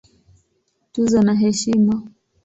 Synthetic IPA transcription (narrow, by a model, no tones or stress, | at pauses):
tuzanaɦɛʃima